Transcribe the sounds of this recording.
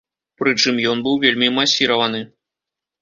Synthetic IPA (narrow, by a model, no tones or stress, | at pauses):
pɾɨt͡ʂɨmjɔnbɨwvʲelʲmʲimasʲiɾɐvɐnɨ